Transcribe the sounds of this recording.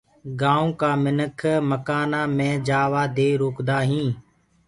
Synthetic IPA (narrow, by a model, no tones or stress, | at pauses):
ɡãːõːkaːmɪnəkʰməkaːnaːmẽːd͡ʒaːʋaːd̪eːɾoːkd̪aːɦĩː